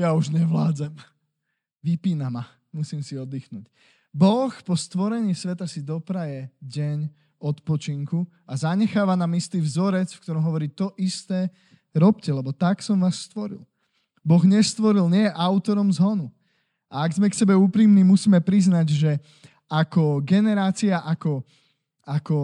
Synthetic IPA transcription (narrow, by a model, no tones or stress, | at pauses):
jauʒɲɛʋlaːd͡zɛm | ʋipiːnama | musiːmsiɔd̪iːxnuːc | bɔxpɔst̪ʋɔɾɛɲiːsʋɛt̪asid̪ɔpɾajɛɟɛɲ | ɔt̪pɔt͡ʃiŋku | azaɲɛxaːʋanaːmist̪iːvzɔɾɛt͡sfkt̪ɔɾɔmɦɔʋɔɾiːt̪ɔʔist̪ɛː | ɾɔpcɛlɛbɔt̪aksɔmʋaːsːt̪ʋɔɾḭl | bɔɣɲɛst̪ʋɔɾilɲɪɛjɛʔaʊt̪ɔɾɔmzɦɔnu | ʔaaɡzmɛksɛbɛuːpɾiːmniːmusiːmɛpɾiznaɟʒɛ | akɔɡɛnɛɾaːt͡siaʔakɔ | akɔ